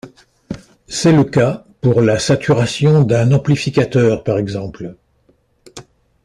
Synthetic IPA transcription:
sɛləka | puʁlasat̪ʰyʁasjɔ̃d̪ɛ̃nɑ̃plifikʲat̪œʁpaʁɛɡzɑ̃pl

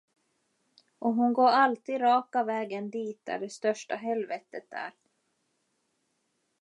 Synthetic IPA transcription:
ʔɔɦʊnɡoːɾalt̪iːd̪ɾɑːkavɛːɡənd̪iːt̪̚d̪æ̰ɖɛst̪œʂʈaɦɛlvɛːt̪ət̪̚æ̰ɾ

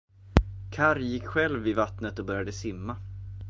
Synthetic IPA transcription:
kʰaɾjɪkːɧɛlvɪvat̪nət̪ɔbœɾjad̪əsɪmːa

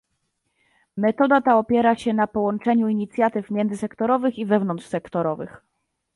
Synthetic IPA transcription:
mɛt̪ɔd̪at̪aɔpʲjɛɾaɕɛnapɔwɔnt͡ʂɛɲuiɲit̪sʲjat̪ɘfmʲjɛnd̪zɘsɛkt̪ɔɾɔvɘxivɛvn̪ɔntʂsɛkt̪ɔɾɔvɘ̰x

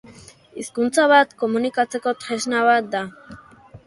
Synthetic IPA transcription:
iskunt͡saβ̞at̪ko̞munikat͡se̞ko̞t̪ɾeznaβat̪̚d̪a

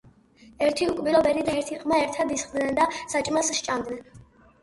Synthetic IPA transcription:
ɛɾt̪ʰiukʼbilˠɔbɛɾid̪aɛɾt̪ʰiqʼmaɛɾt̪ʰad̪isχd̪nɛnd̪asat͡ʃʼmasʃt͡ʃʼamd̪nɛn

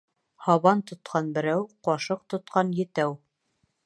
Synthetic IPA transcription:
hɑβɑnt̪ŏt̪̚qʰɑnbɘ̆ɾæwqɒʃɤq̚t̪ŏt̪̚qɑnjɘ̆t̪æw

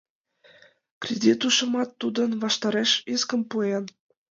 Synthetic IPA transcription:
krʲedʲit̪uʃɤ̆mɑt̪ːud̪ə̆nβɑʃt̪ɑɾeʃiskə̆mpuen

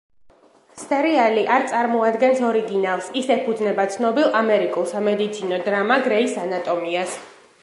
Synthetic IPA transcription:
st̪ʰʼɛɾialiʔaɾt̪sʼaɾmɔad̪ɡɛnsɔɾiɡinalˠsisɛpʰud̪znɛbat̪sʰnɔbilˠamɛɾikʼulˠsamɛd̪it̪sʰinɔd̪ɾamaɡɾɛisanat̪ʼɔmias

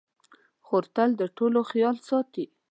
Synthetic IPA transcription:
xoɾt̪ald̪əʈoloxjɑlsɑt̪i

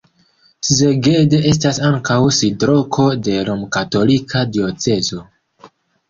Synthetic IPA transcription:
sze̞ɡe̞de̞ʔe̞s̬tasaŋkawsidɾo̞kʰo̞de̞lomkato̞likʰadio̞t͡se̞zo̞

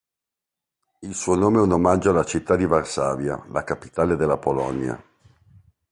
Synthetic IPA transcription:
ilsuːonoːmeɛunomad͡ʒoalat͡ʃit̪ːad̪ivarsaːvja̰lakapi̥t̪aːled̪elːapolɔ̰nja̰

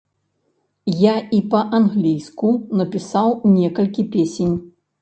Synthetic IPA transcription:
jaipɐʔanɣlʲijskunɐpʲisawnʲɛkɐlʲkʲipʲesʲenʲ

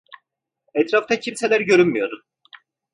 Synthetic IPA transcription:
ɛt̪ɾaft̪acʰimse̞lʲæɾɟø̞ɾynmyjo̞ɾun

